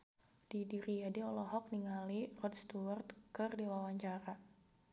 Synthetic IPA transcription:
d̥idiɾijadiɔlɔɦɔk̚niŋalirɔdst̪uwart̪̚kɨrdiwawaɲt͡ʃaɾa

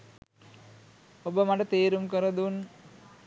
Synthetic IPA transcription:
obəmaʈət̪eːɾumkəɾəd̪un

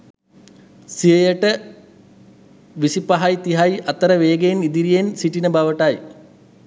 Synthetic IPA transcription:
sijejəʈə | ʋisipɐɦajt̪iɦajʔɐt̪ɐɾɐʋeːɡejnid̪iɾijensiʈinəbɐʋɐʈaj

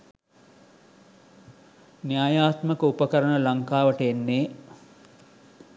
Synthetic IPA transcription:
njaːjaːt̪məkəupɐkɐɾəɳəlɐŋkaːʋəʈəenːeː

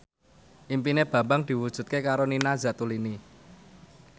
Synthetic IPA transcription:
ʔimpineb̥ä̤mbaŋd̪̥i̤wud̥ʒ̥ṳt̪̚kekaɾoninazat̪ulini

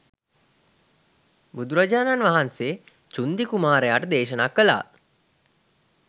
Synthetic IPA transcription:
bud̪uɾad͡ʒaːnanʋaɦanseː | t͡ʃund̪ikumaːɾejaːʈəd̪eːʃənaːkːəla̰ː

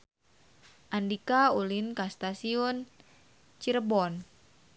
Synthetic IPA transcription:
ʔandikaulinkast̪asiun | t͡ʃiɾəbɔn

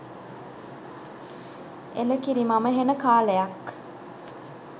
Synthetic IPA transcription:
eləkiɾimaməɦenəkaːləjak

